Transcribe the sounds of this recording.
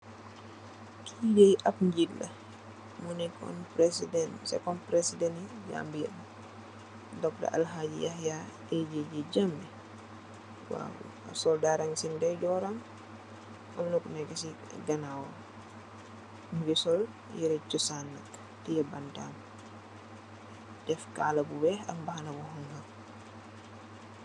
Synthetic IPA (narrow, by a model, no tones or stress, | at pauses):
kʰidɛjʔapɲd͡ʒilːa̰ | munɛkɔ̰npɾesidɛnsɛ̰kɔnpɾesidɛnid͡ʒa̰mbiɛ̰ba | dɔkda̰ʔa̰lɦad͡ʒḭjahja | ɛd͡ʒed͡ʒɛd͡ʒambɛ | wa̰ | sɔldaɾaŋsindajd͡ʒɔɾam | ʔɔ̰mnukunaɡasi | ɡanawa | ɡisɔl | jiɾɛt͡ʃɔsanːa̰k | tijɛbantam | dɛfka̰labuwɛa̰mbahanabɔɦɔŋham